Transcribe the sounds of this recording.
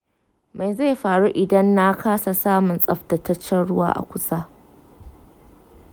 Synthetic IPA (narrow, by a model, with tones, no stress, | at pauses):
ma˨jza˦˨jɸaː˨ɽu˦ʔɪ˨dɐ˦nːa˦kaː˦sa˨saː˦mʊ˨nsʼɐ˦ɸtɐ˨tɐ˦t͡ʃːɛ˦nɽʊ˦wa̰ː˦˨ʔa̰˨kʷʊ˦sa˦